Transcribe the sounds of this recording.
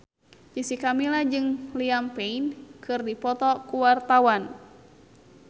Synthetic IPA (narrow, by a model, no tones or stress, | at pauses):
d͡ʒisikamilad͡ʒɨŋliampeinkʰɨrdipɔt̪ɔkuwart̪awan